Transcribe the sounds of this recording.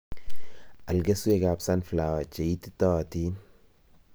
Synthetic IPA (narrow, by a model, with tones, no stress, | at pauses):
a˨lɡe˦su˦e˨ɡa˨psa˦nfla˨wa˨t͡ʃe˨i˦t̪i̥t̪ɔ˦˨t̪i˦n